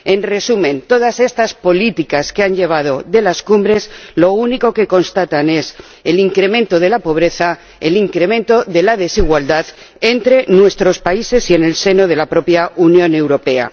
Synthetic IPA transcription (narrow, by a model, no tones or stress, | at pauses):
e̞nre̞sumẽ̞nt̪o̞ð̞ase̞st̪aspo̞lit̪ikaskeanʎe̞β̞að̞o̞ðe̞laskumbɾe̞slo̞uniko̞ke̞ko̞nst̪at̪ane̞s | eliŋkɾe̞mẽ̞nt̪o̞ð̞e̞lapo̞β̞ɾe̞θa | eliŋkɾe̞mẽnt̪o̞ðe̞laðe̞siɣwald̪að | ent̪ɾe̞nwe̞st̪ɾo̞spaise̞sie̞ne̞lse̞no̞ð̞e̞lapɾo̞pjaʔunjõ̞ne̞wɾo̞pe̞a̰